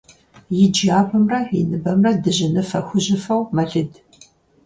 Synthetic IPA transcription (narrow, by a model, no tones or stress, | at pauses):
jɪd͡ʒaːbɐmrɐḭnɨbɐmrɐdɨʑɪnɨfɐxʷʊʑɪfɐwmɐɮɨd